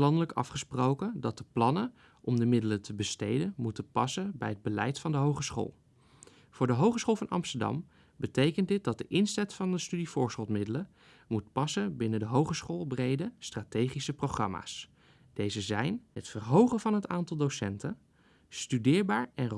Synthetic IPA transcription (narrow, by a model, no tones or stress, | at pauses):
lɑndələkɑ̰fχəsprowkəndɑt̚dəplɑnə | ʔɔmdəmɪdələtəbəstejdənmutəpɑsəbɛ̰jɦəd̚bəlɛ̰jtfɑndəɦowχəsχo̰ːlˠ | v̥ʊːɹdəɦowχəsχoːlˠvɑnɑ̰mstəɹdɑ̰m | bətejkəntdɪt̚dɑt̚dəʔɪnsɛtfɑndəstydifʊːɹsəlˠmɪdələ | mut̚pɑsənbɪnədəɦowχəsχoːlˠbrejdəstratejχisəprowχrɑ̰ma̰ːs | d̥ejzəzɛjnɦətfərɦowχənvɑnɦətaːntɑlˠdosɛ̰ntə | stydɪːɹbaːɹɛn